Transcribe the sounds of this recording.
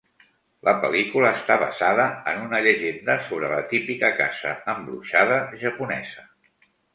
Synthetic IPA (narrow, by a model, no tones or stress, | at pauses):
ləpəlikuləːst̪aβə̰zaðəənunəʎəʒend̪əsoβ̞ɾələt̪ipikəka̰zə̰əmbɾuʃað̞əʒəpunɛz̥ə